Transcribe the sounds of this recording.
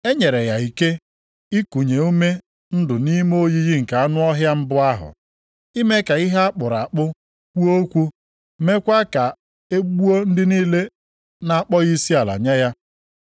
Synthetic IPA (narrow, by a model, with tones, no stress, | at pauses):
e˦ɲe˨ɾe˨ja˨i˨ke˦ | i˦ku˨ɲe˨u˦me˦ | n̩˦dʊ˨ni˦m˦o˦ji˦ɣi˦ŋ̩˨ka˨a˦nʊ˦ɔ˦ɦja˦m̩˦bʊ˦a˦ɦʊ̰˨ | i˦me˦ka˨i˦ɦa˦a˦k͡pʊ˨ɾa˨k͡pʊ˦ | kʷu˦o˦kʷu˦ | me˦kʷa˦ka˨ | e˦ɡ͡bu˦o˦n̩˦dɪ˦niː˦le˦ | na˨a˨k͡pɔ˦ɣi˦si˦a˨la̰˨ɲe˦ja˦